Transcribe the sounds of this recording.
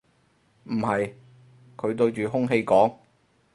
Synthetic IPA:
m̩˨˩hɐ˨j | kʰɵ˨˧t̪ɵ˧ɥt͡ʃyː˨ɦʊ˥ŋɦe˧jkɔː˨˥ŋ

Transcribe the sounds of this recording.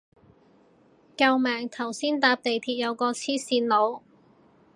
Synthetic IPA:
kɐ˧wmɛː˨˩ŋt̪ʰɐ˨˩wsiː˥nt̪aː˧p̚t̪e˨jt̪ʰiː˧t̚jɐ˨˧wkɔː˧t͡sʰiː˥siː˧nlo˨˧w

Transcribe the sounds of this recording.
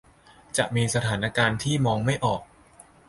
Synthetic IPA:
t͡ɕa˨˩ʔmiː˧sa˧t̪ʰaː˩˦na˧kaː˧nt̪ʰiː˥˩mɔː˧ŋma˥˩jʔɔː˨˩k̚

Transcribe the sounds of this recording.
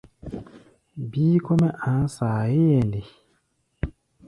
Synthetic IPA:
biː˦kʰɔ˦mɛ˦ʔã˨˦saː˨ji˦jɛ˨ndi˨

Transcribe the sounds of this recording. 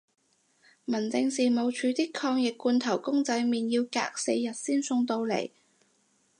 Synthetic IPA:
mɐ˨˩nt͡sɪ˧ŋsiː˨˩mo˨˧wt͡ʃʰyː˨˧t̪iː˥kʰɔː˧ŋjɪ˨kːuː˧nt̪ʰɐ˨˩wkʊ˥ŋt͡sɐ˧jmiː˨njiː˧wka̰ː˧k̚se˧jːɐ˨t̚siː˥nsʊ˧ŋt̪o˧wlḛ˨˩j

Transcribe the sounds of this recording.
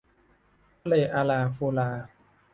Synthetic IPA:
a˦leː˧˩ʔaː˧laː˧˩fu˧laː˧

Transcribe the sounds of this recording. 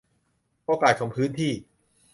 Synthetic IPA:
po˧kaː˨˩t̪̚kʰo˩˦ŋpʰɯː˦˥nt̪ʰiː˥˩

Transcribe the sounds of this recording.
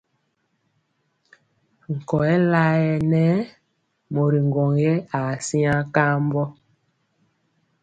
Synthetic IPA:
ŋ̩˨kɔ˨ɛ˦la˦ɛ˨nɛ˦ | mo˨ɾi˨ŋ˨ɡɔ˨ŋjɛ˦a˨si˦ã˦ka˦mbɔ˦

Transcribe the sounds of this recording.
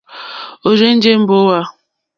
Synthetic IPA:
o˨ɾe˦n̩˦d͡ʒe˦m̩˦bo˦wa˦

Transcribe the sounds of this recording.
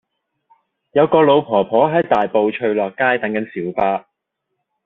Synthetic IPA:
jɐ˨˧wkɔː˧lo˨˧wpʰɔː˨˩pʰɔː˨˥ɦɐ˨˥jt̪aː˨jpo˨˧wt͡ʃʰɵ˧ɥlɔː˨˩kːaː˥jt̪ɐ˨˥ŋkɐ˨˥nsiː˨˥wpaː˧

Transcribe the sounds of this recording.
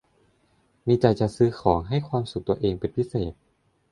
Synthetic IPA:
miː˧t͡ɕa˧jt͡ɕa˨˩ʔsɯː˧xʰɔː˩˦ŋɦa˥˩jkʰwaː˧msu˨˩k̚t̪u˧ɐʔeː˧ŋpe˧˩npʰi˦˥seː˨˩t̪̚

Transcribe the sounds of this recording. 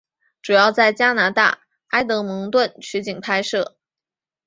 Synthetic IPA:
ʈ͡ʂu˨˩jɑ˥˧ʊt͡sa˥˩ɪt͡ɕja˥na˧˥t̪a̰˥˩ | a˥ɪt̪ɤ˧˥mɤ˧˥ŋt̪wə˥˩nt͡ɕʰy˧˥t͡ɕi˨˩ŋpʰa˥ɪʂɤ˥˩

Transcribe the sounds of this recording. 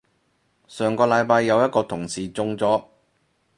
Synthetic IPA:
sœː˨ŋkɔː˧lɐ˨˧jpaː˧jːɐ˨˧wjɐ˥t̚kɔː˧t̪ʰʊ˨˩ŋsiː˨t͡sʊ˧ŋt͡sɔː˨˥

